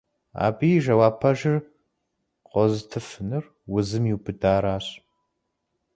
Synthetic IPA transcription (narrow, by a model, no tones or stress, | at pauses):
a̰ːbiːʒɐwaːpʰɐʒɪr | qʷɔzɨtʰɨfɨnɨr | wʊzɨmjiwbɨdaːɾaːɕʼ